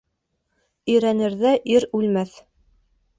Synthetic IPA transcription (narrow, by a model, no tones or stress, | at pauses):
ɵ̆jɾænɘ̆ɾðæʔiɾʉlmæθ